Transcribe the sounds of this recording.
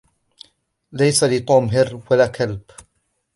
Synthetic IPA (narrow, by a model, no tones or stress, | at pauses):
lajsalɪt̪ˤuːmɦɪɾwalaːkʰalb